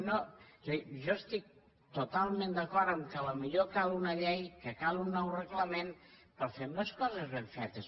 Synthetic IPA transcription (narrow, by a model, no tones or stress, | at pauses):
nozeʒɔəst̪ik̚ | t̪ot̪alˠmend̪əkɔɾt̪əmkələmiʎokalˠunəʎɛjkəkalˠunːɔwrəɣləmenpəɾfemeskɔzəzβeɱfɛt̪əs